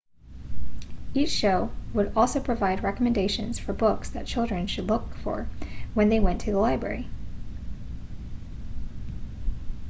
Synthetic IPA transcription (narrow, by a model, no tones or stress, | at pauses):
it͡ʃʃoʊwəɾɔlˠsoʊpʰɹ̥ɨvaɪd̚ɹɛkəmɨ̃ndeɪʃɨ̰̃nz̥fə˞bʊksðɨt̚t͡ʃʰɪlˠdɹɨ̃nʃɨdˡlʊkfə̰˞wɨ̃nðeɪwɛ̃ntʰɨðəlaɪbɹɛ̰ɹi